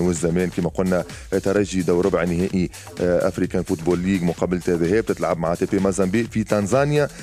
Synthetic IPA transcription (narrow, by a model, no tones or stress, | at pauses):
wɪzːæmɛːnkiːmæqʊlnæ | t̪ɑɾˤɑʒid̪awɾʊbʕnɪɦɛːʔi | ʔa̰fɾiːkanfut̪buːlːiːɡmʊqɑːbɪlt̪æðɦɛːb̚t̪ɪt̪lʕab̚maʕat̪epemɑzˤɑmbiːʔfit̪ɑnzˤɑːnja